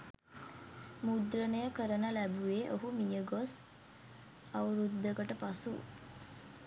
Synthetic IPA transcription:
mud̪ɾənəjəkəɾənəlæbuʋeʔoɦumijəɡos | awɾud̪ːəɡəʈəpasṵ

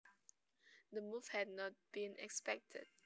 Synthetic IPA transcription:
dəmuv̥hɛdnɔt̚b̥ĩnɛ̰kspɛk̚tʰə̰d̥̚

